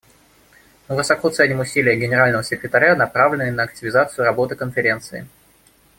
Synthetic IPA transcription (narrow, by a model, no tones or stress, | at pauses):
vɨsɐkot̪sɛnʲɪmʊsʲilʲɪjəɡʲɪnʲɪɾalʲnəvəsʲɪkɾʲɪt̪ɐɾʲanɐpɾavlʲɪnɨjnəɐk̚tʲɪvʲɪzat̪sɨjʊɾɐbo̞t̪ɨkənfʲɪɾʲe̞nt̪sɨɪ̰